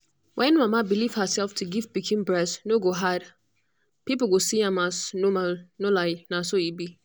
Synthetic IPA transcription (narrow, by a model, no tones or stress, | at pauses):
wʔɛ̃nmamabiliv̥həsɛlftʰuɡivbikʰĩnbɹɛsnoɡoɦad | pipol̩ɡosiãmasnɔmalnolaɪnasoibi